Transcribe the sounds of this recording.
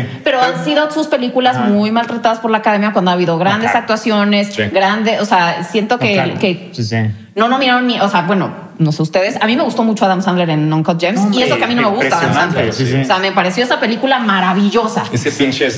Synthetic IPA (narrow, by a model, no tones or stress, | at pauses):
pe̞ɾo̞ansiðo̞suspe̞likulazmujmalt̪ɾat̪aðaspo̞ɾlaːkaðe̞mjakwand̪oaβiðo̞ɣɾand̪e̞sak̚t̪wasjo̞ne̞siɡɾand̪eoseasje̞nt̪o̞kekes | no̞no̞miɾaɾonːiʔoseabwe̞no | no̞seust̪e̞ðe̞samĩme̞ɣust̪o̞mut͡ʃo̞aðamsand̪leɾenːõŋkot̪̚d͡ʒemsiezlokeamĩno̞me̞ɣust̪aðamsand̪ɾeɾsoseame̞paɾe̞sjo̞esape̞likulamaɾaβiʝo̞sa̰esepinʃes